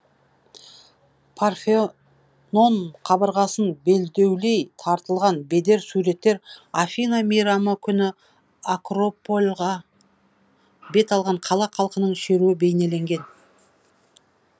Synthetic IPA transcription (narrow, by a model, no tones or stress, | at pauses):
pʰarfe | no̞nqʰɑbəɾʁɑsənbe̞ld̪e̞wle̞jt̪ʰɑɾt̪əlˠʁɑnbe̞d̪e̞ɾsuɾe̞t̪ːe̞ɾafʲinamijɾaməkʲʰʏnɪ | akro̞pːo̞lʲʁɑ | be̞t̪ɑlˠʁɑɴqʰɑlˠɑqʰɑlˠqənəɴʃe̞ɾuɪbe̞jne̞le̞ŋɡʲe̞n